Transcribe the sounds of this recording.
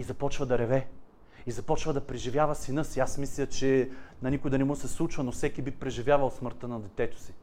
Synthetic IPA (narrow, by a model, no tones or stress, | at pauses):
izɐpɔt͡ʃvəd̪ɐɾɛvɛ | izɐpɔt͡ʃvəd̪ɐpɾɛʒivjavəsinɤsiasmislʲət͡ʃɛnɐnikʊjd̪ɐnɛmɔsɛslˠut͡ʃvɐnofsɛkibipɾɛʒivʲjavɐlˠsməɾt̪ənɐd̪ɛt̪ɛt̪o̥si̥